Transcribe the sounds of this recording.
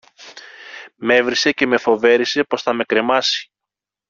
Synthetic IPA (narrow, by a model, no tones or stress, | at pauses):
me̞vɾise̞ce̞me̞fo̞ve̞ɾise̞po̞sθɐme̞kɾe̞mɐsi̥